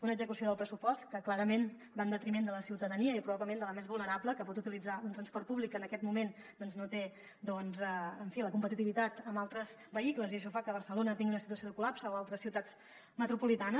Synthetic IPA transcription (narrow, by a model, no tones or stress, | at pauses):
unəɡzəkusioðəpɾəsupɔst̪kəklaɾəmen | band̪ət̪ɾimend̪ələsiwt̪əðəniəipɾuβaβbləmend̪ələmezβulˠnəɾapləkəpɔt̪ut̪ilid͡zaunt̪ɾənspɔɾrt̪̚puβlikənəkɛt̪mumen | d̪ɔnznot̪e | d̪ɔnzəəɱfiləkumpət̪it̪iβit̪at̪əmbalˠt̪ɾəzbəikləziəʃ̬ɔfakəβ̞əɾsəlonət̪iŋɡiunəsit̪uəsioðəkulapsəoalˠt̪ɾəsiwt̪ad͡z | mət̪ɾupulit̪anə